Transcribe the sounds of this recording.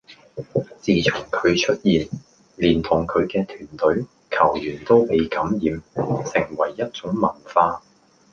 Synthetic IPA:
t͡siː˨˩t͡sʰʊ˨˩ŋkʰɵ˨˧ɥt͡ʃʰɵ˥t̚jiː˨n | liː˨˩nt̪ʰʊ˨˩ŋkʰɵ˨˧ɥkɛː˧t̪ʰyː˨˩nt̪ɵ˨˥ɥ | kʰɐ˨˩wjyː˨˩nt̪o˥wpe˨˧jkɐ˨˥mjiː˨˧msɪ˨˩ŋwɐ˨˩jːɐ˥t̚t͡sʊ˨˥ŋmɐ˨˩nfaː˧

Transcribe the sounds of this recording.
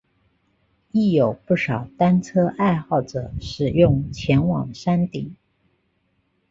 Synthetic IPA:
i˥˩jo˨˩ʊpu˥˩ʂɑ˨˩ʊt̪a˥nt͡sʰɤ˥ʔa˥˧ɪxɑ˥˩ʊʈ͡ʂɤ̰˨˩˦ʂɻ̩˨˩jʊ˥˩ŋt͡ɕʰjɛ˧˥nwɑ̰˨˩ŋʂa˥nt̪ḭ˨˩˦

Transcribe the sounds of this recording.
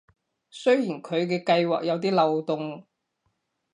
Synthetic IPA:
sɵ˥ɥjiː˨˩nkʰɵ˨˧ɥkɛː˧kɐ˧jwa̰ː˨k̚jɐ˨˧wt̪iː˥lɐ˨wt̪ʊ˨ŋ

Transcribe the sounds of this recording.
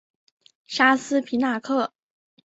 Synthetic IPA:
ʂa˥sɹ̩˥pʰi˧˥na˥˧kʰɤ˥˩

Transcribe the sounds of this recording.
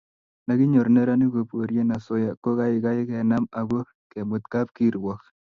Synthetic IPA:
na˨kɪ˦ɲo˨ɾnɛ˦ɾa˦ni˦ko˨pwo˨ɾje˦na˨sʊ˦ja˨kːo˦ka˦ɪ˨ka˦ɪ˦kɛ˨na˦ma˨ɡo˦ | kɛ˨mʊ˨t̪ka˦p̚ki˦ɾwɔ˨k

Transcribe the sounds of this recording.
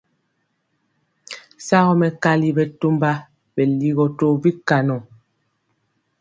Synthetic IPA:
sa˦ɣɔ˦mɛ˨ka˦li˦bɛ˨to˦mba˦ | bɛ˨li˦ɣɔ˨to˦˨bi˦ka˨nɔ˨

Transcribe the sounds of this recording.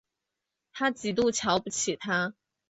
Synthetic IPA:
t̪ʰa˥t͡ɕi˨˩lu˥˩t͡ɕʰjɑ˧˥ʊpu˧˥t͡ɕʰi˨˩t̪ʰa˥

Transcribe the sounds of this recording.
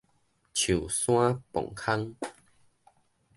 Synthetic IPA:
t͡ɕʰu˨˩sw̃ã˦pɔ̰˨˩ŋkʰa˦ŋ

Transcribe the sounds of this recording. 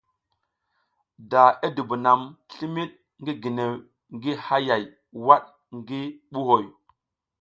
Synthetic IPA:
da˨e˦du˨bu˨na˨mɬi˦mi˦ɗ̚ | ŋɡi˦ɡi˨ne˨ | ŋɡi˦ha˦ja˨j | wa˦ɗ | ŋɡi˦ɓu˦ho˨j

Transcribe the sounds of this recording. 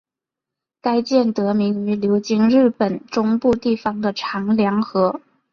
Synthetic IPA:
ka˥ɪt͡ɕjɛ˥˩nt̪ɤ˧˥mi˧˥ŋy˧˥ljo˧˥ʊt͡ɕi˥ŋɻɻ̩˥˩pə˨˩nʈ͡ʂʊ˥ŋpu˥˧t̪i˥˩fɑ˧ŋd̪ə˨ʈ͡ʂʰɑ˧˥ŋljɑ˧˥ŋxɤ˧˥

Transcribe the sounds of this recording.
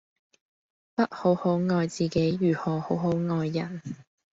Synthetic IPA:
pɐ˥t̚ho˨˥who˨˥wŋɔː˧jt͡siː˨ke˨˥jɥyː˨˩hɔː˨˩ho˨˥wɦo˨˥wŋɔː˨˧jːɐ˨˩n

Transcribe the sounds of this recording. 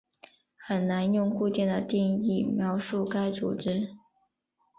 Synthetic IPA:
xə˨˩nna˧˥njʊ˥˧ŋku˥˧t͡ɕjɛ˥˩nd̪ə˩t̪i˥˧ŋi˥˩mjɑ˧˥ʊʂu˥˩ka˥ɪt͡sṵ˨˩ʈ͡ʂɻ̩˥

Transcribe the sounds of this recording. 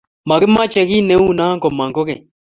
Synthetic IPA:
ma˨ɡɪ˦ma˦t͡ʃɛ˨ki˦nɛ˨˦u˦na˦ŋkɔ˨ma˨ŋɡɔ˦kɛ˨

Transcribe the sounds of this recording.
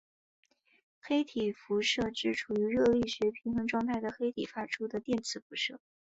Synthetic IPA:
xe˥ɪt̪ʰi˨˩fu˧˥ʂɤ˥˧ʈ͡ʂɻ̩˥˩ʈ͡ʂʰu˨˩y˧˥ɻɤ˥˧li˥˩ʂɻɛ˧˥pʰi˧˥nxɤ˧˥ŋʈ͡ʂwɑ˥˧ŋt̪ʰa˥˩ɪd̪ə˩xe˥ɪt̪ʰi˨˩fa˥ʈ͡ʂʰu˥d̪ə˨t̪jɛ˥˩nt͡sʰɹ̩˨˩fu˧˥ʂɤ˥˩

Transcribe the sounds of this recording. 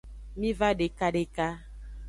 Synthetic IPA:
mĩ˦va˦ɖe˨ka˦ɖe˨ka˦

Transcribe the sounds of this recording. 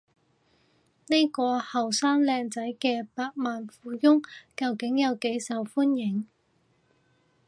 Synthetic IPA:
ne˥jkɔː˧hɐ˨˩wsaː˥ŋlɛː˧ŋt͡sɐ˨˥jkɛː˧paː˧k̚maː˨nfuː˨˥jʊ˥ŋkɐ˨˧wkɪ˨˥ŋjɐ˨˧wke˨˥jsɐ˨˧wfuː˥njɪ˨˥ŋ

